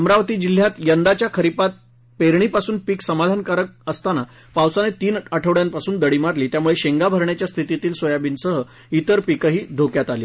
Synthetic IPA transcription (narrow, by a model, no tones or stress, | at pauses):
əmɾaʋət̪iːd͡ʑil̤ːjat̪jənd̪at͡ɕjakʰəɾipat̪̚ | peɾɳiːpasuːnpiːksəmad̪ʱankaɾək̚əst̪ana | pawsanet̪iːnəʈʰəʋɭjanpasuːnd̪əɽiːmaɾliːt̪jamuɭeɕeŋɡabʱəɾɳjat͡ɕjast̪ʰit̪it̪iːlsojabiːnsəɦə | it̪əɾpikəɦiːd̪ʱokjat̪alḭː